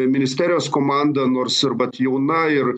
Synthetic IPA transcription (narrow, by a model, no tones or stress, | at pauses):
mʲɪnʲɪsʲt̪ʲæːɾʲɪjoːskoːmɑnd̪ɐnoːɾsɪɾʋɐt̪jɛʊnɐɪr